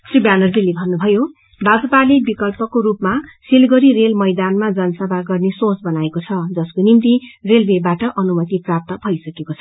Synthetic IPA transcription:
sribanʌrd͡zilebʱʌnːubʱʌjo | bad͡zʌpalebikʌlpʌkoɾupmasilɡʌɾiɾelmʌjd̪anmad͡zʌnʌsʌbʱaɡʌrnesot͡sbʌnaekot͡sʰʌd͡zʌskonimt̪irelbebaʈʌʔʌnumʌt̪iprap̚t̪ʌbʱʌjsʌkekot͡sʰʌ

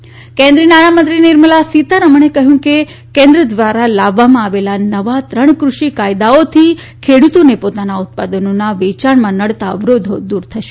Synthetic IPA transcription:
kɛ̃nd̪ɾinaɽ̃amə̃nt̪ɾinɪɾməlasit̪əɾəməɳekəɦjũke | kɛ̃nd̪ɾəd̪ʋaɾalaʋːamãaʋelanəʋat̪ɾəɳ̃kɾuʃikajd̪aot̪ʰi | kʰeɽut̪onepot̪anaʊt̪̚pad̪ənonaʋet͡ʃaɳmãnəɽt̪aʋɾod̪ʱod̪uɾt̪ʰəʃe̥

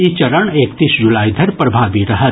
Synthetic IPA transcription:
it͡ʃɐɾəɳeːkt̪iːsd͡ʒulaːid̪ʱɐɾpɾɐbʱaːbiɾɐɦət̪

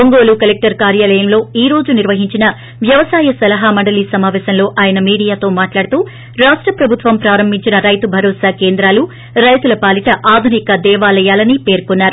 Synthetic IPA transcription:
oŋɡo̞ːlukɐlek̚ʈɐɾkaːɾjaːlɐjɐmlo̞ːiːɾo̞ːd͡ʒuniɾʋɐɦiɲt͡ʃinɐ | ʋjɐʋɐsaːjɐsɐlɐɦaːmɐɳɖɐliːsɐmaːʋɛːʃɐmlo̞ːʔaːjɐnɐmiːɽijaːt̪o̞ːmaːʈlaːɽut̪uː | ɾaːʂʈɾɐpɾɐbʱut̪ʋɐmpɾaːɾɐmbʱiɲt͡ʃinɐɾɐjt̪ubʱɐɾoːsaːke̞ːnd̪ɾaːlu | ɾɐjt̪ulɐpaːlit̪ɐʔaːd̪ʱunikɐd̪ɛːʋaːlɐjaːlɐnipe̞ːɾkunːaːɾu

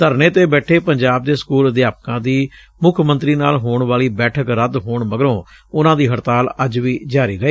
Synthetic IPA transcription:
t̪əɾneːt̪eːbɛːʈʰeːpəɲd͡ʒaːb̚d̪eːsə̥kuːləd̪jaːp̚kãːd̪iː | mʊkʰmə̃nt̪ɾiːnaːlɦoːɳʋaːliːbɛːʈʰəkɾəd̪ɦoːɳməɡəɾõː | ʊnãːd̪iːɦəɾt̪aːləd͡ʒʋiːd͡ʒaːɾiːɡəeː

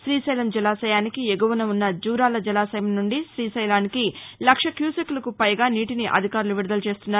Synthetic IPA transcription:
ʃɾiːsɐjlɐmd͡ʒɛlaːsɐjaːnikieɡɐʋɐnɐunːɐd͡ʒuːɾaːlɐd͡ʒɛlaːsɐjɐmnuɳɖiʃɾiːsɐjlaːnikilɐkʂɐkjuːsɐklɐkupɐjɡaːniːʈiniʔɐ̰d̪ʱikaːɾuluʋiɽud̪ɐlut͡ʃe̞ːst̪unːaːu

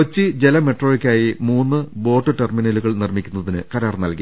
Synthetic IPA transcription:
ɐt͡ɕːɨd͡ʑe̞lɐme̞ʈro̞ːjikʲːaːjimuːnːɨbo̞ːʈːɨʈerminɐluɣɐɭnirmikʲːunːɐðinɨkɐɾaːrnɐlki

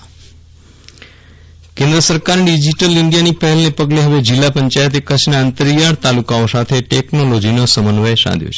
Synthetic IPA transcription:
kẽnd̪ɾəsəɾkaɾɖid͡ʒiʈəlɪɳɖijanipəɦɛlnepəɡleɦəʋed͡ʒɪlːapəɲt͡ʃajət̪ekət͡ʃʰnaənt̪əɾijaɽt̪alukaosat̪ʰeʈeknolod͡ʒinosəmənʋəjʃã̰d̪jo̰t͡ʃʰe̥

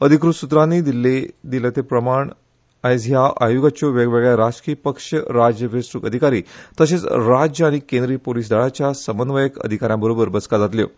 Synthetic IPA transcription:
əd̪ʱikɾut̪sut̪ɾanːiːd̪iled̪ilət̪epɾəmaɳ | aet͡sɦjaʔa̰juɡat͡ɕjoʋeɡʋeɡɭjaɾad͡ʑkiəpəkʂəɾad͡ʑjəʋesɾukəd̪ʱikaɾiːt̪əset͡sɾad͡ʑjəaɽ̃ikẽnd̪ɾiːpoliːs̬d̪aɭat͡ɕjasəmənʋəjəkə̰d̪ʱikaɾjãbəɾobəɾbət͡skad͡zat̪ljo̰

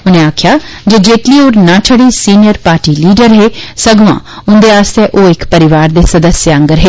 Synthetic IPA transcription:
ʊnẽːaːkʰjaːd͡ʒeːd͡ʒeːʈliːoːɾnãːt͡ʃʰəɽiːsiːnɪjəɾpaːɾʈiːliːɖəɾɦeːsəɡʋã̰ː | ʊ̃nd̪eːaːst̪eʔoːɪkpəɾɪʋaːɾd̪eːsəd̪əsjə̃ŋɡəɾɦeː

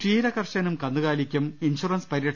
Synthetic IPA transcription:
ʂiːɾɐkɐrʂɐnumkɐnd̪uɣaːlikʲːuminɕurɐnspɐɾijɐʈʰ

